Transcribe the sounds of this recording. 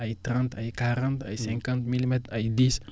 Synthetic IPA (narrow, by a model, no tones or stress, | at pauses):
ajt̪ɾɛ̃nt̪ajkaɾə̃nt̪a̰jsɛ̃ŋkãnt̪milimɛt̪ajd̪is